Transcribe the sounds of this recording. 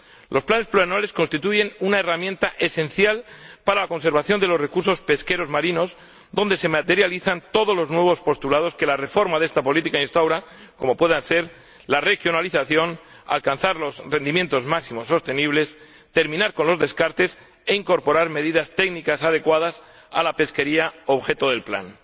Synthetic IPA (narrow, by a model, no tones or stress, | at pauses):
lʔo̞splane̞sploanale̞sko̞nst̪it̪uʝe̞nunaeramjẽ̞nt̪aʔe̞sẽ̞nθjalpaɾalako̞ns̬e̞ɾβaθjo̞nd̪elo̞sre̞kuɾso̞spe̞ske̞ɾo̞zmaɾino̞z | ðo̞nd̪e̞se̞mat̪e̞ɾjaliθant̪o̞ð̞o̞zlo̞znwe̞β̞o̞spo̞st̪ulað̞o̞ske̞lare̞fo̞ɾmaðe̞st̪apo̞lit̪ikainst̪awɾa | ko̞mo̞pwe̞ðanse̞ɾ | lare̞xjo̞naliθaθjo̞n | a̰lkanθaɾlo̞sre̞nd̪imje̞nt̪o̞zmaksimo̞so̞st̪e̞niβ̞le̞s | t̪e̞ɾmĩnaɾko̞nlo̞zðe̞skaɾt̪e̞s | eiŋko̞ɾpo̞ɾaɾme̞ðiðast̪e̞ɡnikasað̞e̞kwaðas | a̰lape̞ske̞ɾiao̞βxe̞t̪oðe̞lpla̰n